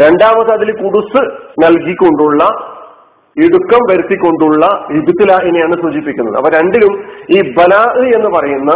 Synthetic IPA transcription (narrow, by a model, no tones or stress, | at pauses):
ɾe̞ɳɖaːmɐðɐðilkuɽusɨnɐlkikʲːo̞ɳɖuɭːɐ | iɽukːɐmʋɐɾut̪ːikʲːo̞ɳɖuɭːɐibʱut̪ːilaːʔenejaːɳɨsuːd͡ʑipːikʲːunːɐ̰ðɨ̰ɐ̰pːɐːɾe̞ɳɖilumiːbɐlaːʔɨe̞nːɨpɐrɐjunːɐ